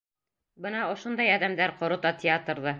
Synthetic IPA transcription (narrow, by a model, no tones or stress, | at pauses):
bɤnɑŏʃond̪ɑjɑd̪æmd̪æɾqŏɾŏt̪ɑt̪ʲɪat̪rðɤ